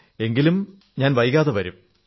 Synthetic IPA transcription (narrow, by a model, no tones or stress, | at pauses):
e̞ŋɡilum | ɲaːnʋɐjɣaːðɐʋɐɾum